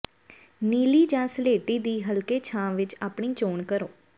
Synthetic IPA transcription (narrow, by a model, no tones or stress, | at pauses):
niːliːd͡ʒãːsleːʈiːd̪iːɦəlkeːt͡ʃʰãːʋɪt͡ʃaːpɳĩːt͡ʃoːɳkəɾoː